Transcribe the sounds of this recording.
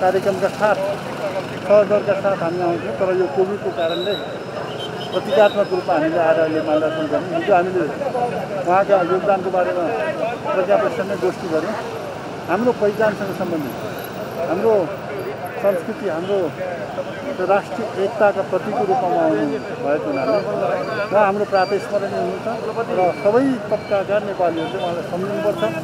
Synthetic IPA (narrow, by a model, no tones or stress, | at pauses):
kaɾjekrʌmkasat̪ʰ | sʌɦʌd̪ʌrkasat̪ʰɦamiaũt͡sʰĩw̃t̪ʌɾʌjokobʱid̪kokaɾʌnle | prʌt̪ikat̪makɾupmaɦamileaɾalemand̪ʱat̪ʌnɡʌɾẽɦid͡zoɦamile | wʌɦãkajoɡd̪ankobaɾemaprʌt̪jabʌsʌned̪osʈ̪iɡʌɾjẽ | ɦamropʌid͡zansʌŋɡʌsʌmbʌnd̪ʱi | ɦamro | sʌmskrit̪iɦamɾo | t̪ɾasʈrijʌʔek̚t̪akaprʌt̪ikoɾupmamaːwnu | bʱʌekoɦunaniwãɦamroprat̪esmʌɾʌneɦunũt͡sʰʌrʌsʌbʌjt̪ʌp̚kakanepaliɦʌɾulejwuɦãlajsʌmnupʌrt͡sʰʌ̃